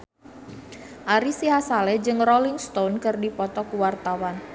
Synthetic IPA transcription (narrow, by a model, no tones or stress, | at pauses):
ʔaɾisiɦasalɛd͡ʒɨŋrolɪŋst̪onkɨrdipɔt̪ɔkuwart̪awan